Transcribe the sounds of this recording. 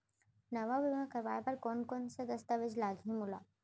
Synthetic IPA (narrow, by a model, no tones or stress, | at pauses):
nɐʋaʋɪʋãkɐɾʋa̰ːjapɐɾkoːnkoːnsəd̪əst̪aʋɪd͡ʒlaːɡʱĩmʊla̰ː